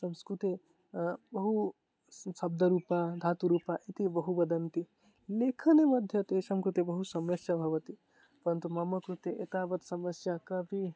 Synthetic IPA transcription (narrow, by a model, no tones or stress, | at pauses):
səmskɾut̪i | bɐɦu | sɐb̚d̪ʱəɾupad̪ʱat̪uɾupaʔet̪ibəɦubɐd̪ɐnt̪i | lekʰənemɐd̪ʱjɐt̪esəmkɾut̪ibɐɦusɐmɐsjabʱɐʋət̪i | pɐɾənt̪umamɐkɾut̪eʔḛt̪abɐt̪sɐmɐsjakɐbʱi